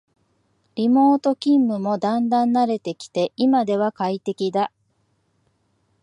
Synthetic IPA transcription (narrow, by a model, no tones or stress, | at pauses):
ɾʲimo̞ːt̪o̞kʲĩmːɯ̟mo̞d̪ãnd̪ãnːaɾe̞t̪e̞kʲi̥t̪e̞ʔimad̪e̞β̞akait̪e̞kʲid̪a